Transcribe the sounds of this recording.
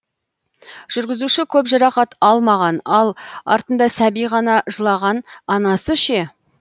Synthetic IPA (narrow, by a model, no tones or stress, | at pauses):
ʒ̥ʏɾɡʲɪzuʃɪkʲʰɵpʒɑɾɑχɑt̪ɑlˠmɑʁɑnɑlˠɑ̰ɾt̪ənd̪ɑsæbijʁɑnɑʒəlˠɑʁɑnɑnɑsəʃe